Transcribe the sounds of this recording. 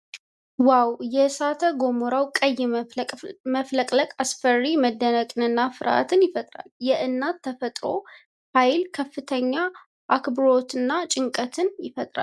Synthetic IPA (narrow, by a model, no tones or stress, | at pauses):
wawjɛsat̪ʰəɡo̞moɾawkʼəjːɛ | məfləkʼləkʼasfərːiməd̪ːənəkʼɨnɨnːafɨɾa̰t̪ʰɨnjɪfət̪ʼɾa̰ljɛʔɨnːat̪ʰːəfət̪ʼɾo̞̰ | hajlkʰəfːɨt̪ʰəɲːa | ʔakbɨɾo̞t̪ɨnːat͡ʃʼɪŋkʼət̪ʰɨnjɪfət̪ʼɾa̰l